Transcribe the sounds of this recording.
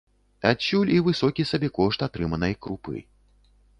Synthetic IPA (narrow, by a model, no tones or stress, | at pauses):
at͡ɕːulʲivɨsɔkʲisabʲɛkɔʂt̪at̪ɾɨmɐnɐjkɾupɨ̰